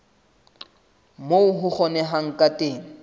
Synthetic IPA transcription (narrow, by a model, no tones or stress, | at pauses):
moʊɦʊk͡xʰɔnɛɦaŋ̩kʼatʼeːŋ̩